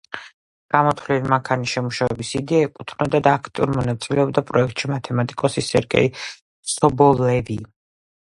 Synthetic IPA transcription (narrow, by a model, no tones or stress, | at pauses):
ɡ̥amɔt̪ʰvlilimaŋkʰaniʃɛmuʃavɛbisid̪ɛaɛkʼut̪ʰnɔd̪ad̪aːkʰt̪ʼiuɾmɔnat̪sʼilɛɔb̚d̪apʼɾɔɛkʰt̪ʼʃimat̪ʰɛmat̪ʼikʼɔsisɛɾɡɛ̰i | sɔbɔlɛvi